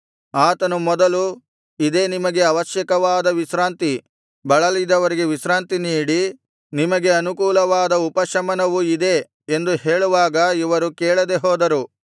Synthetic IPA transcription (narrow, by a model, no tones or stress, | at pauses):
aːt̪ɐnumɔd̪ɐlu | id̪e̞ːnimɐɡe̞ɐʋɐʃjɐkɐʋaːd̪ɐʋisɾaːnt̪i | bɐɭɐlid̪ɐʋɐɾiɡe̞ʋiʃɾaːnt̪iniːɽi | nimɐɡe̞ɐnukuːlɐʋaːd̪ɐupɐʃɐmɐnɐʋuid̪e̞ | end̪uɦeːɭuʋaːɡɐiʋɐɾukeːɭɐd̪e̞ɦɔːd̪ɐɾu